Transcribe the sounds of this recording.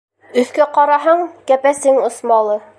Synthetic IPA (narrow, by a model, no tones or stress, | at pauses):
ɵ̆θkæqɑɾɑɦɤɴkæpæsɘŋŏsmɑlˠɤ